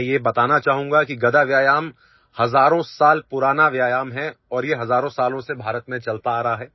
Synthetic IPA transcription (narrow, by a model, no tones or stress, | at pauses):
jebɐt̪aːnat͡ʃaːɦũːŋɡakiɡɐd̪aʋjaːjaːm | hɐzaːɾõsaːlpʊɾaːnaʋjaːjaːmɦɛɔːɾjeɦɐzaːɾõsaːlõsebʱaːɾət̪mẽt͡ʃɐlt̪aːɾɐɦaɦɛː